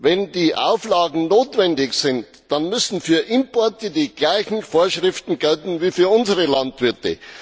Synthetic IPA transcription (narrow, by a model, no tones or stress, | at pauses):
vɛndiːʔa̰ʊflaːɡŋ̩noːtvɛndɪçsɪnt | d̥anmʏsn̩fyːɐʔɪmpɔɐtədiːɡ̥laɪçn̩foːɐʃʁɪftn̩ɡ̥ɛltn̩viːfyːɐʊnzəʁəlantv̥ɪɐtə̰